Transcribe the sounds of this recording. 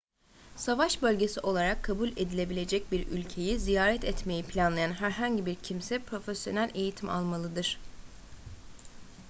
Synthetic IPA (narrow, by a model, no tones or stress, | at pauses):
savaʃbø̞lʲɟe̞siʔo̞lˠaɾakʰːabulʲed̪ilʲe̞bilʲe̞d͡ʒɛc̚biɾy̰lʲcʰe̞jizijaːɾɛt̪ɛt̪me̞jipʰlʲanlˠajanɦæɾɦaɲɟibiɾcʰimsɛpɾo̞fesjo̞̰nælʲe̞jit̪ʰima̰lˠmalˠɯd̪ɯɾ̥